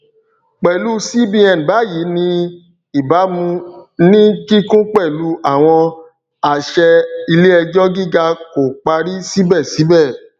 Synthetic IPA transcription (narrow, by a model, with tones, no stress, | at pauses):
k͡pɛ˨lu˦si˦bĩ˧ɛ̃˨n˨ba˨˦ji˨˦nĩ˧ | i˨ba˨˦mũ˧nĩ˦ki˦kũ˦k͡pɛ˦˨lu˦a˦˨w̃ɔ̃˧ | a˨ʃɛ˧i˧le˦ɛ˧d͡ʒɔ˦ɡi˦ɡa˧ko˨k͡pa˧ɾi˦si˦bɛ˦˨si˨˦bɛ˦˨